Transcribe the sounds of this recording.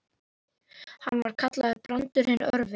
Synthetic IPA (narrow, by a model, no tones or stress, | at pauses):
hanːvaɾ̥kʰat̪laðʏɾpɾant̪ʏɾ̥hɪn̰ːœɾvɪ